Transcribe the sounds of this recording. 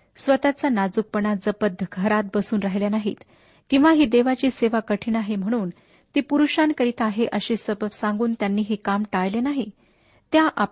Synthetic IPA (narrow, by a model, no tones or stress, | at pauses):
sʋət̪at͡sanad͡zuk̚pəɳad͡zəpəd̪ʱːəɡʱəɾat̪̚bəsuːnɾaɦjljanaɦḭːt̪ | kĩw̃ʋaɦiːd̪eʋat͡ɕiːseʋakəʈʰinaɦem̤əɽ̃uːn | t̪iːpuɾuɕankəɾit̪aɦeʔəɕiːsəbəʋsãŋɡuːnt̪janːiːɦekamʈajlenaɦi | t̪jaʔa